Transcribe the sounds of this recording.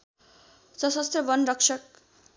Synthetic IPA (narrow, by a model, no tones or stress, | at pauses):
sʌsʌst̪rʌbʌnrʌksʰʌk̚